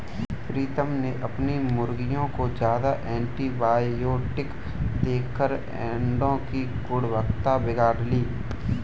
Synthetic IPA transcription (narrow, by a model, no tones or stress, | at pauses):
pɾiːt̪əmneʔɐpnimʊɾɡɪjõkod͡ʒjaːd̪aʔɛ̃ːɳʈibaːjoːʈɪk | d̪eːkʰːəɾ | ɛ̰̃ːɳɖõki | ɡʊɽʋəkt̪abɪɡaːɾliː